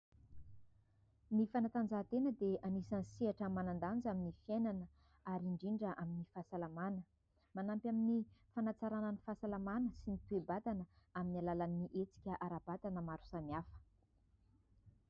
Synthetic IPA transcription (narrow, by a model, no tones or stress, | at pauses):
mifanat̪and͡zat̪enəd̪eanisansiaʈ͡ʂəmanand̪and͡zaminifjenanə | aɾiɳɖ͡ʐiɳɖ͡ʐəʔaminifasalamanə | manampʲaminifanat͡saɾananifasalamanəsinit̪uebat̪anəaminalalanːiʔet͡si̥kʲəʔaɾab̥at̪anəmaɾu̥saniafə̥